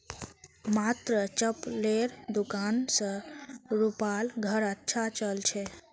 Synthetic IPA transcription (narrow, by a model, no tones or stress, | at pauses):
mat̪ɾət͡ʃəpleɾd̪ukansə̃ɾupalɡʱəɾətːʃʰat͡ʃəlt͡ʃʰɛ